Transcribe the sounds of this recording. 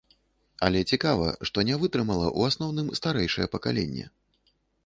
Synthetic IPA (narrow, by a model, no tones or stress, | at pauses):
alʲɛt͡sʲikavɐ̰ʂt̪ɔnʲɛvɨt̪ɾɨmɐlˠɐ̰ʔuasnɔwnɨmst̪aɾɛjʂɐjɛpɐkalʲḛnʲːɛ̰